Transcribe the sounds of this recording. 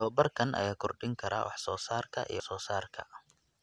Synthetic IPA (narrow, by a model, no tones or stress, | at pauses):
ɔːbɐrkʰɐnʔɐ̰jaːkʰʊrɖɪŋkʰɐɾa̰ːwʔɑ̰ħsɔːsaːrkʰɐʔḭjɞsɔːsaːrkʰɐ̰